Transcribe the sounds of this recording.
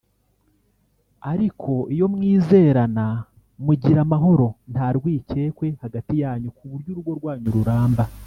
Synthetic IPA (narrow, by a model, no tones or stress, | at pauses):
aɾikʰo̞ʔijo̞mŋiːze̞ːɾana | muɟiɾamaɦo̞ɾo̞n̥taɾɡwiːce̞ːkwe̞haɡatijaːɲukuβuɾɟuɾubɡwo̞ɾɡwaːɲuɾuɾaːmba